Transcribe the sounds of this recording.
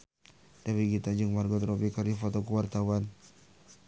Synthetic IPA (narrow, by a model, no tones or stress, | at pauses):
d̥awiɡit̪ad͡ʒəŋmarɡɔt̪ɾɔpikardifɔt̪ɔkuwart̪awan